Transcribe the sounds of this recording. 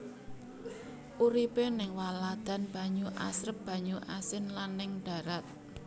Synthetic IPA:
ʔuɾipenɪŋwalad̪̥a̤nb̥ä̤ɲuʔa̰sɾəp̚b̥ä̤ɲuʔasɪnlanːɪŋɖ̥a̤ɾat̪̚

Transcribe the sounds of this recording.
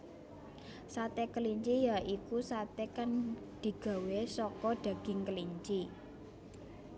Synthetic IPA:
sat̪ekəliɲt͡ʃijaikusat̪ekand̪̥i̤ɡ̥a̤wesɔkɔɖ̥ä̤ɡ̥ɪ̤ŋkəliɲt͡ʃi

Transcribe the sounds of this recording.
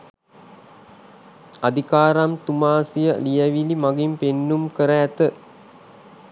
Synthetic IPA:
ad̪ʱikaːɾamt̪umaːsijəlijəʋilimaɡimpenːumkəɾəːt̪ə

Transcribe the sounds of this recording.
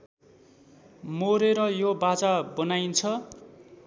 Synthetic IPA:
moɾeɾʌjobat͡sabʌnajnt͡sʰʌ

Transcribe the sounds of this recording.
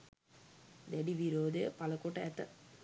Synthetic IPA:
d̪ɛɖiʋiɾoːd̪əjəpaləkoʈəæt̪ə

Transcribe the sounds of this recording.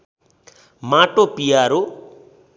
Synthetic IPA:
maʈopijaɾo

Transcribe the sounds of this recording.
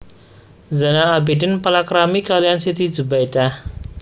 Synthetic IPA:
zanaːbidɪnpalakɾamikalijansit̪id͡ʒubajdah

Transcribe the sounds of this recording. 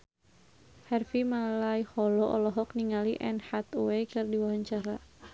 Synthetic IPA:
hɛrfimalajhɔlɔʔɔ̰lɔɦɔkniŋaliʔɛ̰nhat̪uwɛjkɨrdiwaɦaɲt͡ʃaɾa

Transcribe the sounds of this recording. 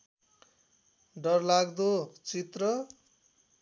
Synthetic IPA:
ɖʌrlaɡd̪ot͡sit̪rʌ

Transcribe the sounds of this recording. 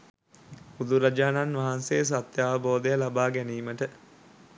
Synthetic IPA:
ud̪uɾɐd͡ʒaːnanʋaɦanseːs̬at̪jaːʋəboːd̪əjəlabaːɡæniːməʈə

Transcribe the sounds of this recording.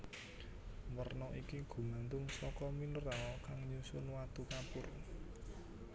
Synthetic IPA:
mərnɔʔikiɡ̥ṳmant̪ʊŋsɔkɔmilɾakaŋɲusʊnwat̪ukapʊr

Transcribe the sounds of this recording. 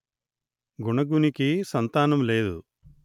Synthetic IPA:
ɡuɳɐɡunikisɐnt̪aːnɐmle̞ːd̪ṵ

